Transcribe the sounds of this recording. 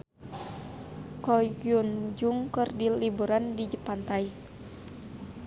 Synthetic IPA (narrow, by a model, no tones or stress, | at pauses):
kɔiund͡ʒuŋkɨrdilibuɾandid͡ʒəpant̪ai